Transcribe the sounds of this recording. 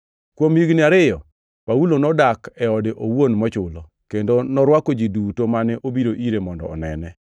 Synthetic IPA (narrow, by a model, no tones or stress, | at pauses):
kwomiɡnɪaɾɪjɔ | paulonɔdakɛɔdɪʔowonmɔt͡ʃʊlɔ | kendonɔɾwakod͡ʒidutomanɛʔobiɾoʔiɾemɔndɔ̰ɔ̰nɛ̰nɛ